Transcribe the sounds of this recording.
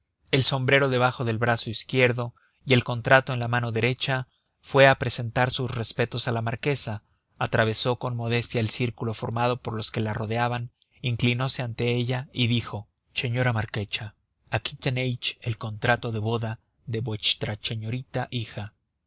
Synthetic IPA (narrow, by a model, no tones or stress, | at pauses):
e̞lso̞mbɾe̞ɾo̞ðe̞βaxo̞ðe̞lβɾaso̞iskje̞ɾðo̞ | ie̞lko̞nt̪ɾat̪o̞e̞nlamano̞ðe̞ɾe̞t͡ʃa | fwe̞apɾe̞se̞nt̪aɾsusre̞spe̞t̪o̞salamaɾke̞saː | t̪ɾaβ̞e̞so̞ko̞nmo̞ðe̞st̪jaelsiɾkulo̞fo̞ɾmað̞o̞po̞ɾlo̞ske̞laro̞ðeaβan | iŋklino̞se̞ant̪e̞eʝaiðixo̞ | se̞ɲo̞ɾamaɾke̞t͡ʃa | akit̪enejt͡ʃe̞lko̞nt̪ɾat̪o̞ðe̞βo̞ða | ðe̞βwet͡ʃt̪ɾat͡ʃe̞ɲo̞ɾit̪aʔixa